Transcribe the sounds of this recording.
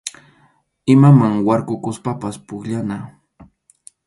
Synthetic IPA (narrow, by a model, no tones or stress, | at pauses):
ɪmamaŋwaɾkʊkʊspapaspʊkʎana